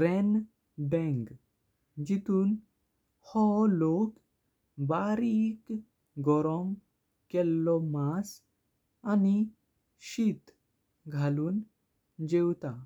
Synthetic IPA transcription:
ɾɛn | bɛ̃ŋɡ | d͡ʑit̪uːn | hɔlok | baɾik | ɡɔɾɔm | kɛlːɔmas | ani | ɕit̪ | ɡʱaluːn | d͡ʑewt̪a

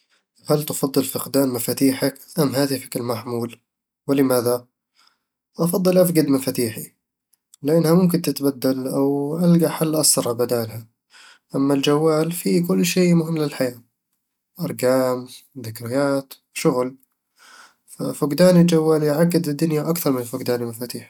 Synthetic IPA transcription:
halt̪ɑfɑd̪ˤːɨlfʊqd̪aːnmafat̪iːħakʔamːɦaːt̪ɪfḁkɪlmaħmuːl | wɪlɪmaːða | ʔɑfɑd̪ˤːɨlʔafɡad̪mɪfat̪iːħi | lɪʔanːhamʊmkɪnt̪ɪt̪bad̪ːalʔawʔalɡaħalːʔɑsˤɑɾˤʕabad̪aːlha | ʔamːald͡ʒawːaːlfikʊlːʃeːmʊɦɪmːlɪlħajaː | ʔɑɾˤɡaːmðɪkɾɪjaːt̪ | ʃʊɣl | fafʊɡd̪aːnɪld͡ʒawːaːljʕaɡːɪd̪ɪd̪ːʊnjaʔakθɑɾˤmɪnlfʊɡd̪aːnilmafaːt̪iːħ

